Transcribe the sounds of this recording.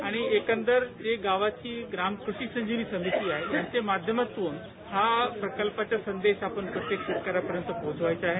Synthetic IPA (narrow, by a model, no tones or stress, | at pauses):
aɽ̃iekə̃nt̪əɾd͡ʑeɡaʋat͡ɕiːɡɾamkɾuɕisəɲd͡ʑiniːsəmit̪iːaɦejaɲt͡ɕemad̪ʱjəmat̪uːn | ɦapɾəkəlpat͡ɕjasənd̪eɕapəɳpɾət̪jekʂet̪̚kaɾapəɾjənt̪əpod͡zʋajt͡saaːɦe